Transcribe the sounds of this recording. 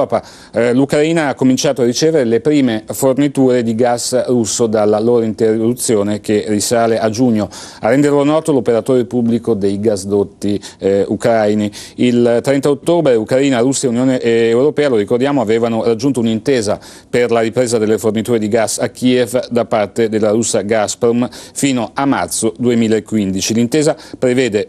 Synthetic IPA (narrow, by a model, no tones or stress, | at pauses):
ɔpa | lukɾaiːnaakːomint͡ʃaːt̪oarit͡ʃeːveɾelepɾiːmefornit̪uːɾed̪iɡasrusːod̪alːaloːɾoint̪errːut̪sːjoːnekerisaːleʔad͡ʒuɲːoarːɛnd̪erlonɔːt̪olopeɾat̪oːɾepublikod̪ejɡasd̪ot̪ːiukɾajniilt̪ɾɛnt̪aot̪ːoːbɾeukɾaiːnaɾusːaeunjoːneʔːwɾopɛːaloɾikord̪jaːmoaveːvanorad͡ʒːunt̪ounint̪eːza | perlaɾipɾeːzad̪elːefornit̪uːɾed̪iɡasːakːievd̪apart̪ed̪elːaɾusːaɡaspɾomfiːnoamːa̰rt̪sod̪uemiːlaekːwind̪it͡ʃilint̪eːzapɾevɛːd̪e